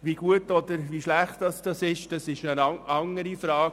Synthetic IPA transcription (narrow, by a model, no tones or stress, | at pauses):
ʋiɡ̥uətɔdəɾʋiʃlæχtd̥ɑsd̥ɑsɪʃd̥ɑsɪʃəɑɑŋəɾifɾɑː